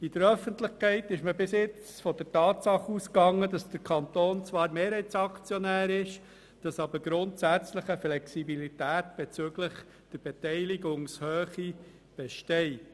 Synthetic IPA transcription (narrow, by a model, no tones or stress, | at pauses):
id̥əɾœfəntlɪχkʰɛɪtɪʃməbɪsɪt͡sfɔd̥əɾtɑːtsɑχuskɑŋːədɑsd̥əɾkʰɑnt̪oːnt͡sʋɑːɾmeːɾhɛɪtsɑkt͡sjɔnæːɾɪʃ | d̥ɑsɑbəɾɡɾʊntsæt͡sləχəflɛksibilitæːtb̥ɛt͡søɡ̥ləχ | d̥əɾb̥ɛtɛɪliɡʊŋshøːχi | b̥ɛʃtɛɪt